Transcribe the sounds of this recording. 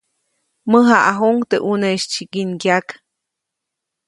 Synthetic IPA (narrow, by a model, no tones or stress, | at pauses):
məɦaʔaɦoŋt̪eʔuneiʃt͡ʃikinkjak